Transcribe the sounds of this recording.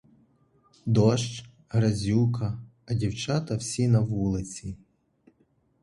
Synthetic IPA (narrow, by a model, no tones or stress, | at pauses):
d̪ɔʃt͡ʃ | ɦɾɐzʲukɐː | dʲiwt͡ʃɑt̪ɐwsʲinɐʋulˠɪt͡sʲi